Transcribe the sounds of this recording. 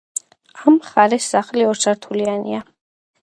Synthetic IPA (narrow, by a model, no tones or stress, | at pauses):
amχaɾɛsːaχliɔɾt̪sʰaɾt̪ʰulianḭa